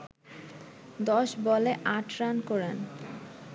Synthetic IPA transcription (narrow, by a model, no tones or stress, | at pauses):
d̪ɔʃbɔleʔaʈʰɾankɔɾen